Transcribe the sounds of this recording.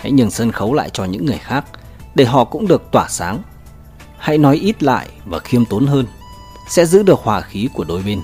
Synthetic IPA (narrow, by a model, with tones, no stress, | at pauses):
ha̰˧˥jɲɨ˨˩nsə˧nxə˨˦wla̰ː˧˨jt͡ɕɔ˧ɲɨ̰˧˥ŋːɨ˨˩əjxaː˦˥k̚ | ɗe˧˩ɦɔ̰˧˨kʊ̰˧˥ŋ͡mɗɨ˨˩ək̚t̪waː˧˩saː˨˦ŋ | ha̰˧˥jnɔ˨˦jʔi˦˥t̚la̰ː˧˨jvaː˨˩xi˧əmt̪o˨˦nɦəː˧n | sɛ̰˧˥zɨ̰˧˥ɗɨ˨˩ək̚hwaː˨˩xi˨˦ku˧˩əɗo˨˩jɓe˧n